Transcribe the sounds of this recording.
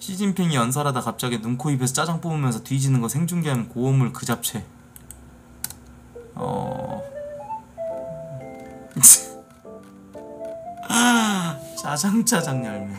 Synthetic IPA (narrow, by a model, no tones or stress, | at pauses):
ɕʰid͡ʑinpʰiŋijʌnsʰʌɾadakap̚t͡ɕ͈aɡinuŋkʰoibe̞sʰt͡ɕ͈ad͡ʑaŋp͈omɯmjʌnsʰʌtwid͡ʑinɯnɡʌsʰeŋd͡ʑuŋɡeɦanɯnkoomɯɭkɯd͡ʑap̚t͡ɕʰe̞ | ʌ̰ | t͡ɕad͡ʑaŋt͡ɕad͡ʑaŋɲaɭmʌ